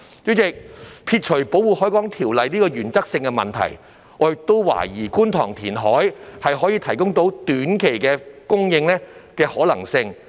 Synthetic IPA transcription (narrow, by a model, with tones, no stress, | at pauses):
t͡ʃɵ˨˥t͡sɪ˨k̚pʰiː˧t̚t͡ʃʰɵ˨˩po˨˥wuː˨hɔː˨˥jkʷɔː˨˥ŋt̪ʰiː˨˩wlɐ˨jniː˥kɔː˧jyː˨˩nt͡sɐ˥k̚sɪ˧ŋkɛ˧mɐ̰˨nt̪ʰɐ̰˨˩j | ŋɔː˨˧˨t̪o˥wwa̰ː˨˩jiː˨˩kuː˥nt̪ʰɔː˨˩ŋt̪ʰiː˨˩nɦɔː˨˥jhɐ˨jɦɔː˨˥jiː˧t̪ʰɐ˨˩jkʊ˥ŋt̪o˨˥wt̪yː˨˥nkʰe˨˩jkɛː˧kʊ˥ŋjɪ˧ŋlɛː˥kɛː˧hɔː˨˥lɐ̰˨˩ŋsɪ˧ŋ